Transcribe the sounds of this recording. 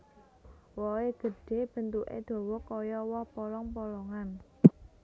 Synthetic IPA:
wɔeɡ̥ə̤ɖ̥e̤b̥ə̤nt̪uʔḛd̪̥o̤wɔkɔjɔwɔhpɔlɔŋpɔlɔŋan

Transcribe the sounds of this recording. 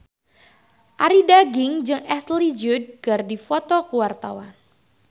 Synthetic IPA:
ʔaɾidaɡɪŋd͡ʒɨŋʔɛslid͡ʒud̚ɡardifɔt̪ɔkuwart̪awa̰n

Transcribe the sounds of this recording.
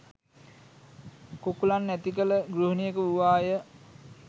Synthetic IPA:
kokulanːæt̪ikələɡɾuɦənijəkəuʋaːjə

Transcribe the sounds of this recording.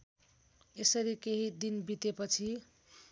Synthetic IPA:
esʌɾikeɦid̪inbit̪epʌt͡sʰi

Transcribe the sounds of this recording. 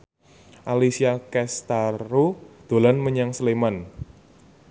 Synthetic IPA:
ʔalisiakɛst̪aɾod̪̥o̤lanməɲaŋsleman

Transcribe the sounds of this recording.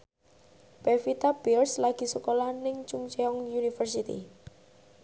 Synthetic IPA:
pɛfit̪abirslaɡ̥i̤səkolanɪŋt͡ʃuŋt͡ʃɛɔŋjunifərsit̪ḭ

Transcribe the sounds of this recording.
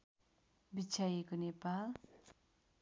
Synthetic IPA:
bit͡ɕʰajekonepal

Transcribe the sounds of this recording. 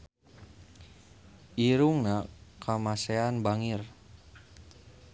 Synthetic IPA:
ʔiɾuŋnakʰamasɛanbaŋir

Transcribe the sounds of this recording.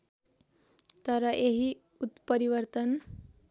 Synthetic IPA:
t̪əɾʌʔeɦi | ut̪pəɾiʋəɾt̪ən

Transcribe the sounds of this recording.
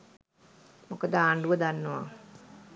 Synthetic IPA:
mokəd̪əaːɳɖuʋəd̪anːoʋa̰

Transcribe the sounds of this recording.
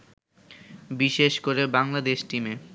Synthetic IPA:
biʃeʃkoɾebaŋlad̪eʃʈime

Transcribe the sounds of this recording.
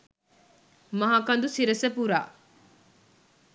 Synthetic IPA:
mɐɦaːkɐnd̪usiɾɐsɐpuɾa̰ː

